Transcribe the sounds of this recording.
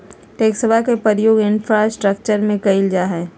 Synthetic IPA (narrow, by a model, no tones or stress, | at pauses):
ʈeːksəbʱakepəɾjoːɡɪnfʰɾasʈɾək̚t͡ʃəɾmẽkɐɪld͡ʒaɦɛː